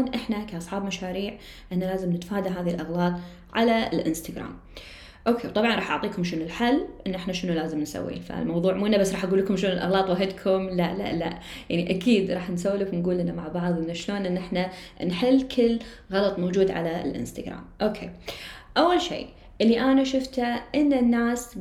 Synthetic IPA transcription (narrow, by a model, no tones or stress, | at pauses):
nʔɪħnakaʔɑsˤħɑːbmaʃaːɾiːʕ | ʔɪnːalaːzɪmnɪt̪ḁfaːd̪aɦaːðilʔɑɣlɑːt̪ˤ | ʕalaɪ̰lʔɪ̰nst̪aɡɾa̰ːm | ʔoːkʰeːwt̪ˤɑbʕɑnɾˤɑːħʔɑʕt̪ˤiːkʊmʃɪnʊlħalːʔɪnːʔɪħnaʃɪnulaːzɪmnsa̰wːḭːnfa̰lmɑwðˤuːʕmuːʔɪnːabasːɾˤɑːħʔaɡuːlːəkʊmʃloːnɪlʔɑ̰ɣlɑːt̪ˤwaɦɪd̪kʰʊmlala̰la̰ʔ | ja̰ʕniʔakiːd̪ɾˤɑːħnsawːlakwnɡuːlʔɪnːamaʕbɑʕðˤʔɪnːaʃloːnʔɪnːʔɪħna | nħɪlːkʰɪlː | ɣɑlɑt̪ˤmawd͡ʒuːd̪ʕa̰la̰lʔɪ̰nst̪aɡɾa̰ːmʔoːkʰḛːʔawːalʃḭː | ʔɪlːiʔanaʃʊft̪aʔɪnːanːaːs